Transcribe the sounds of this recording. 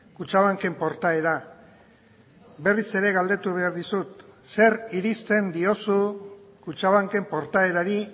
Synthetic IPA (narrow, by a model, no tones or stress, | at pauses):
kut͡ʃaβ̞aŋke̞mpo̞ɾt̪ae̞ɾa | be̞rise̞ɾe̞ɣald̪e̞t̪uβe̞aɾðisut̪se̞ɾiɾist̪e̞nd̪io̞sukut͡ʃaβaŋke̞mpo̞ɾt̪ae̞ɾaɾi